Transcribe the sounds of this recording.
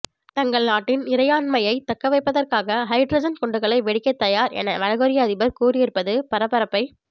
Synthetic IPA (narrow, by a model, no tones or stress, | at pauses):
t̪ɐŋɡɐɭnaːʈːɪnɪɾɐjaːnmɐjɐɪt̪ɐkːɐʋɐɪpːɐðɐrkaːɣɐɦɐɪʈɾɐd͡ʒɐnkɔɳɖɯɣɐɭɐɪʋɛɽɪkːɐt̪ːɐjaːɾɛ̰nɐ̰ʋɐɻɐɣɔɾɪjɐːðɪbɐɾkuːrɪjɪɾɯpːɐðɯpɐɾɐpːɐɾɐpːɐɪ